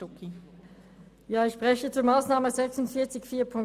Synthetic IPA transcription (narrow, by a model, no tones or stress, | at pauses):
ʊki | jaːɪçʃpʁ̥ɛçət͡suːɐmaːsnaːməzɛksʊntfiːɐt͡sɪçfiːɐpʰʊŋ